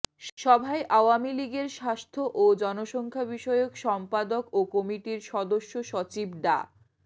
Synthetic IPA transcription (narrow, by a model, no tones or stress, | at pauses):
ʃɔbʱaeʔaoamiliɡeɾʃast̪ʰoʔod͡ʑɔnoʃɔŋkʰabiʃɔeokʃɔmpad̪okokɔmiʈiɾʃɔd̪oʃːoʃɔt͡ɕibɖa̰